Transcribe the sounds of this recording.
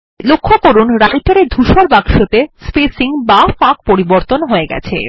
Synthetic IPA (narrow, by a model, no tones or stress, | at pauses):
lokʰːokoɾunɾajʈaɾed̪ʱuʃoɾbaɡʃot̪espesiŋbafak̚poɾiboɾt̪onɦoeɡɛ̰t͡ɕʰḛ